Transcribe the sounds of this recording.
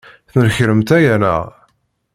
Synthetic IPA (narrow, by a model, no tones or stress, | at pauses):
θnəɾçɾəmt̪æjænæ̰ʁ